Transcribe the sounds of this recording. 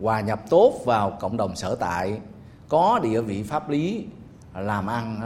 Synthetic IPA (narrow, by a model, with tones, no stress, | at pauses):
kwaː˨˩ɲə˨˩p̚t̪o˦˥t̚vaː˨˩wkə̰˧˨wŋ͡mɗə˨˩wŋ͡msə̰ː˧˩t̪a̰ː˧˨j | kɔ˨˦ɗḭ˧˨əvḭ˧˨faː˦˥p̚li˨˦ | laː˨˩mʔa˧n